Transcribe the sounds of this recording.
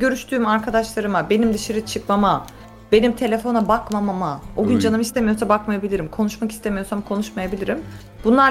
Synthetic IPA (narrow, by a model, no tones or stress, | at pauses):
ɟø̞ɾyʃt̪ʰyːmaɾkʰad̪aʃlˠaɾɯmabe̞nimd̪iʃiɾit͡ʃʰɯkmama | be̞nimt̪ʰelʲe̞fo̞nabakmamamaoɟynd͡ʒanɯmist̪ʰe̞mijo̞ɾsabakmajabilʲiɾimkʰo̞nuʃmaki̥st̪ʰemijo̞samkʰo̞nuʃmajabilʲiɾim | b̥unlˠa